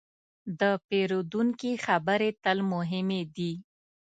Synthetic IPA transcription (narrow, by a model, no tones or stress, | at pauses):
d̪əpeɾod̪uŋkixabəɾet̪əlmʊɦɪmed̪i